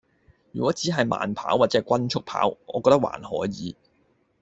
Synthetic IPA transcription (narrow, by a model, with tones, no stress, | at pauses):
jyː˨˩kʷɔː˨˥t͡siː˨˥ɦɐ˨jma̰ː˨˧npʰa̰ː˨˥wːaː˨t̚t͡sɛː˨˥˩kʷɐ˥nt͡ʃʰʊ˥k̚pʰa̰ː˨˥wŋɔː˨˧kɔː˧k̚t̪ɐ˥kwa̰ː˨nhɔː˨˥jjiː˨˧